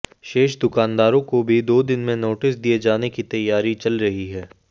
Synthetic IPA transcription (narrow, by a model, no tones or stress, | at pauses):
ʃeːʃd̪ʊkaːnd̪aːɾõkobʱid̪oːd̪ɪnmẽnoːʈɪsd̪ied͡ʒaːnekit̪ɐjːaːɾit͡ʃɐlɾɐɦiɦɛː